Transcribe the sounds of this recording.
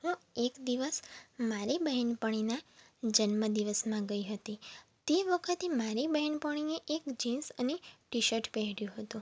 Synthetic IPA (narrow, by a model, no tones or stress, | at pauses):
ɦũekd̪iʋəsmaɾibəɦɛnpəɳ̃inad͡ʒənməd̪iʋəsmãɡəiɦət̪it̪eʋəkʰət̪emaɾibəɦɛnpəɽ̃ineʔekd͡ʒinsəneʈiʃəɾʈpɛɦɽjũɦət̪ũ